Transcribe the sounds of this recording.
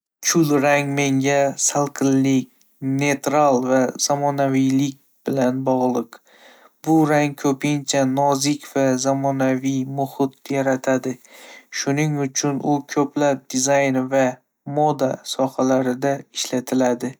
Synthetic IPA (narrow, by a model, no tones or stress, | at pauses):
t͡ʃʰʊlɾaŋme̞ŋɡʲasalˠqʰɨlːɪkʲ | ne̞t̪ɾalˠvaz̥amɒnavijlɪkʲ | b̥ɪlanbɒʁlˠɨq | bʊɾaŋkʰɵpʰɪnt͡ʃʰanɒzɪkʲv̥azamɒnavijmʊhɪt̪̚jaɾat̪ʰad̪ɪʃʊnɪŋʊt͡ʃʰʊnʊkʰɵplap̚d̪ɪzajnva | mod̪asɒhalaɾɪd̪aɪʃlat̪ʰɪlad̪ɪ